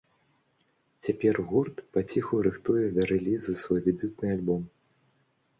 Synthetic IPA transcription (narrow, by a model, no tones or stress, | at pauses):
t͡sʲapʲɛrɣurt̪pat͡sʲixuwɾɨxt̪ujɛd̪ɐɾɛlʲizɨsvɔjd̪ɛbʲut̪̚nɨalʲbɔm